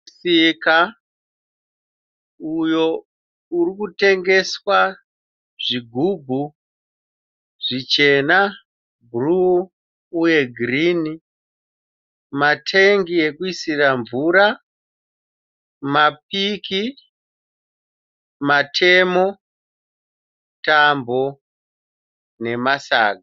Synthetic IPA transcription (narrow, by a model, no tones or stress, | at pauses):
sika | ujo̞ | urikute̞ŋɡe̞swa | ʐiɡʱubʱu | ʐit͡ʃe̞na | bʱuru | uje̞ɡʱrini | matʰeŋɡie̞kuisiraɱvuɾa | map̚iki | matʰe̞mo̞ | tambo̞ | ne̞masa̰ːɡʱa